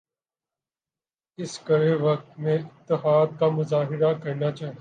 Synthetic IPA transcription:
ɪskɐɾeʋɐk̚t̪mẽɪt̪ːɪɦaːd̪̚kamʊzaːɦɪɾakɐɾnaːt͡ʃaːɦi

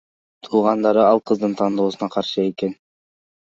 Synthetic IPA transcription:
t̪ʰuːʁɑnd̪ɑɾɯɑlˠqʰɯzd̪ɯnt̪ʰɑnd̪o̞ːsunɑqʰɑɾʃɯe̞ke̞n

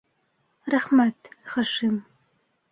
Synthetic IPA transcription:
rɐχmɐrtʰχɐʂɨm

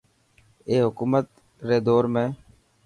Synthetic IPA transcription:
eːɦʊkuːmət̪ | ɾeːd̪oːɾmẽː

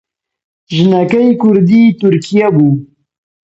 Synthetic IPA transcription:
ʒɪnakajkʊɾd̪it̪ʊɾkijabu

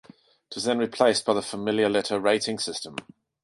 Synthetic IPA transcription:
ɪtʰɪzðə̃nɹɪpʰl̥eɪsb̥aɪðəfəmɪljəlɛtʰəɹeɪtʰɪ̃ŋsɪstə̃m

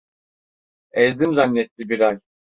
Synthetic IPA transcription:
ɛzd̪imzanːɛt̪lːʲibiɾaj

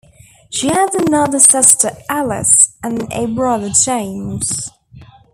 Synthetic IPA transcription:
ʃiəzənʌðəsɪstʰəʔalˠɪ̰sə̃nə̰bɹʌðəd͡ʒẽɪ̃mz̥

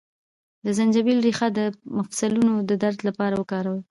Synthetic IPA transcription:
d̪əzand͡ʒabilɾixad̪əmafsalunod̪əd̪aɾd̪lapɑɾawəkɑɾawə

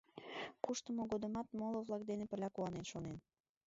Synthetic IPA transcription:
kuʃt̪əmoɣod̪əmɑt̪molovlˠɑk̚d̪enepəlʲɑkuɑnenʃonen

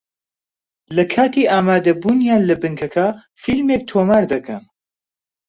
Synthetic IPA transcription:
lɐkʰaːt̪iːʔaːmaːd̪ɐbuːnjaːnlɐbɨŋkʰɐkʰa | filmek̚t̪ʰoːmaːɾd̪ɐkʰɐn

